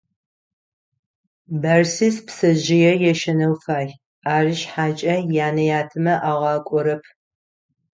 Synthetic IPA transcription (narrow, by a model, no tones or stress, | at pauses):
bɐrsispsɐʑɪjɛjɛʃɐnɐwfaːj | aːrɪʃħaːt͡ʃʼɐjaːnɐjaːtʰɨmɐʔaːʁɑːkʷʼɔɾɐpʰ